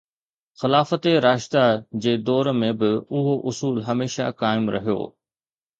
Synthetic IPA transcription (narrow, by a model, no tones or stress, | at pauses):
xɪlaːfət̪eɾaːʃt̪ad͡ʑeːd̪ɔːɾmẽbɪʊɦoʔʊsuːlɦɐmeːʃa̰kaːɪmɾɐ̰ɦijo̰ː